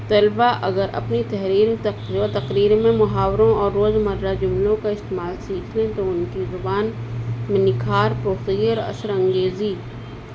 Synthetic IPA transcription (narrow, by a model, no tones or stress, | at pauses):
t̪ɐlbaʔɐɡəɾɐ̰pnit̪ɛɦɾiːɾt̪ɐqɾiːɾmẽmʊɦaːwɾõɔːɾːoːzmɐɾɾad͡ʒʊmlõkaɪst̪eːmaːlsiːkʰlẽt̪oʊnkizʊbaːnmɪ̃nɪkʰaːɾpɾoːsəɡiɔːɾɐ̰səɾɐ̃ŋɡeːzi